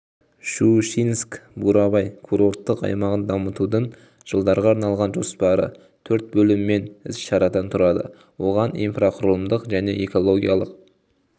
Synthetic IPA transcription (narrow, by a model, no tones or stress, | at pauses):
ʃuʃinskbuɾɑβɑjkʰuɾo̞ɾt̪ːəqɑ̰jmɑʁənd̪ɑmət̪ud̪əɴ | ʒ̥əlˠd̪ɑɾʁɑːɾnɑlˠʁɑnʒo̞spɑɾə̰ | t̪ʰɵɾt̪̚bɵlɪmːe̞nɪzʃɑɾɑd̪ɑnt̪ʰʊɾɑd̪ə̰ | wo̞ʁɑnijnfraqʰʊɾlˠəmd̪əqʒæne̞eko̞lˠo̞ɡʲijɑlˠəq̚